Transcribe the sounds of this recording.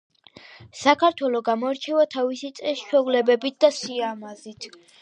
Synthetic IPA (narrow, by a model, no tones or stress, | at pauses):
sakʰaɾt̪ʰwɛlˠɔɡamɔɛɾt͡ʃʰɛvat̪ʰavisit̪sʼɛst͡ʃʰwɛvlɛbɛbit̪̚d̪asiamazit̪ʰ